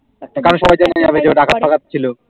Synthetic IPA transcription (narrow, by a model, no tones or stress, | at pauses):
kaɾonʃɔbajd͡ʑanad͡ʑabed͡ʑeoɖakʰat̪̚pʰakat̪t͡ɕʰilo